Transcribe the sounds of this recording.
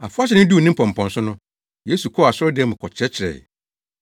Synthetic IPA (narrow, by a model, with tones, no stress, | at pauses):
a̰˨fʊ˦a˦ɕ̬ɪ˨˦nʊ̃˦du˦˨nɪ̃˦m̩˦pʰɔ̃˨m̩˨pʰɔ̃˨nsʊ˦nʊ̃˦ | je˦su˨kʰɔ˦˨a˨sʊ˦ɾɔ˦dɪ˦ɛ˦mʊ̃˨kʰɔ˨t͡ɕʰɪ˦ɾɛ˦t͡ɕʰɪ˨ɾɛ̰˨